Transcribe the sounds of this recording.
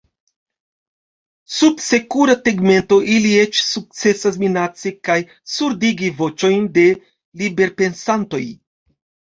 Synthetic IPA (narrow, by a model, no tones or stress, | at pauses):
sudse̞kuɾate̞ɡme̞nto̞ʔilie̞t͡ʃsuk̚t͡se̞sas̬minat͡sekaj | suɾdiɡivo̞t͡ʃo̞jnde̞ | libe̞ɾpe̞nsanto̞j